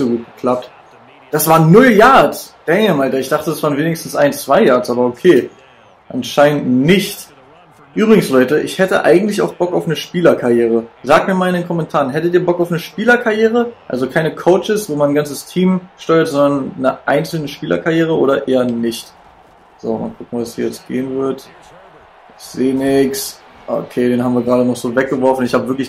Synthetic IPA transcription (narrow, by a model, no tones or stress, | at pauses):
z̥oɡuːt̚ɡ̥ə̥kʰl̥ap̚t | d̥asv̥aːnːʊljaɐt͡sd̥ɛŋmaɪntɐɪçd̥aχtədasv̥aːənveːnɪçstn̩sʔa̰ɪnt͡sv̥aɪjaɐt͡sʔaːbɐokʰeː | ʔanʃaɪnəntnɪçt | ʔyːbʁɪɡŋ̩slɔʏtəʔɪçhɛtə̰ʔa̰ɪɡŋ̩tlɪça̰ʊxb̥ɔkaʊfnəʃpiːlɐkʰaʁjeːʁ̞əzaːk̚tmiːɐmaːlɪndeːnkʰɔmɛntʰaːʁənɦɛtətiːɐbɔkaʊfnəʃpiːlɐkʰaɐjeːʁ̞əʔalzokʰaɪnəkʰoʊt͡ʃɪsv̥oːmanːnɡant͡səstʰiːmʃtɔʏɐtz̥ɔndɐnːəʔaɪnt͡sl̩nəʃpiːlɐ̰kʰaʁjeːʁ̞əʔoːɾɐʔeːɐnɪçt | z̥o̰ːma̰lkʰʊkŋ̩vashiːɐjɛt͡stɡ̥ḛːənvɪɐt | seːnɪks | ʔo̰kʰeːdeːnɦabmviːɐɡʁaːɾənɔχz̥oːvɛk̚ɡ̥əvɔɐfn̩ɪçhaːbəvɪɐklɪç